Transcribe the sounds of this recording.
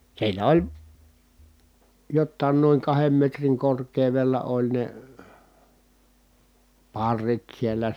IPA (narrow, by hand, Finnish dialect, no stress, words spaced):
siːnæ olʲ jotːɑˑin noiŋ kɑhem metriŋ korkˑeˑu̞ʋelːɑ olʲ ne pɑrːit sielːæ